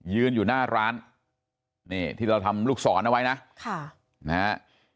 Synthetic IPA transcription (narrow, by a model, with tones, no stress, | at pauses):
jɯː˧njuː˨˩naː˥˩ɾaː˦˥n | niː˥˩t̪ʰiː˥˩ɾa˧wt̪ʰa˧mluː˥˩k̚sɔː˩˦nʔa˧wa˦˥jna˦˥ʔkʰa˥˩ | na˧ha˦˥